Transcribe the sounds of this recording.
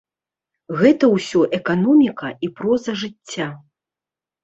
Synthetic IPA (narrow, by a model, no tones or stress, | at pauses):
ɣɛt̪ɐwsʲɔʔɛkanɔmʲikɐipɾɔzɐʐɨt͡st͡sʲːa